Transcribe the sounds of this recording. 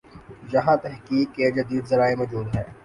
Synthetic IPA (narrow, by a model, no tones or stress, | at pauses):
jɐɦãt̪ɛɦkiːkːed͡ʒɐd̪iːd̪zɐɾaːemɔːd͡ʒuːd̪ɦɛː